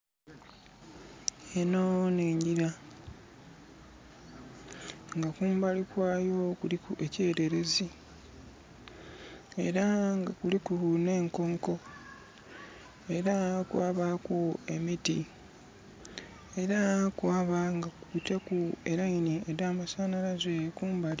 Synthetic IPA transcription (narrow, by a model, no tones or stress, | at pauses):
enoneːɲɟiɾa | ŋɡakuːmbalikwaːjo̞kulikue̞ce̞ːɾe̞ɾezi | e̞ɾaŋɡakulikune̞ːŋko̞ŋko̞ | e̞ɾakwaːβakuemiti | e̞ɾakwaːβaŋɡakuuitekueɾainieɾaːmasaːnaɾazekuːmbali